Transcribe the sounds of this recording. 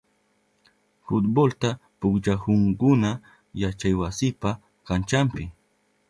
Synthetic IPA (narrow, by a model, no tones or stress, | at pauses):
fʊt̪bolt̪apʊkʎahʊŋkʊna | jat͡ʃajwasɪpa | kant͡ʃampɪ